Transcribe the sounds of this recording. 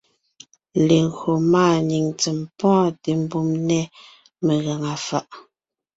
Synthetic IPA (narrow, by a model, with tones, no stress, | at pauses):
le˨ɣɰo˨maː˦˨ni˨ŋt͡sɛ˨mpɔ̃˦te˨m˦bu˦˨mnɛ˦ | me˨ɣa˨ŋa˨fa˨ʔ